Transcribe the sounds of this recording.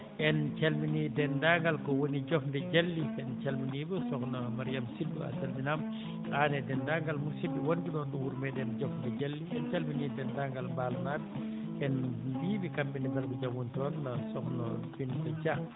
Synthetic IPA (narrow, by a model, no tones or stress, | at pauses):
ʔɛnt͡ʃɐlminidɛndaŋɡalkɔwoniɟɔfndɛɟɐlːiɛnt͡ʃalminibusɔknɐmaɾijamsibːṵa̰salminam | aːnɛdɛndaːŋɡalmusibiwonbidɔːndɐwuɾmɛdɛnɟɔfndɛɟɐlːiɛnt͡ʃalminidɛndaːŋɡalmbaːlnaːd̚ | ɛnbiːbikɐmbinibɐlbuɟɐmuntɔːnːɐsɔxnobintɐt͡ʃa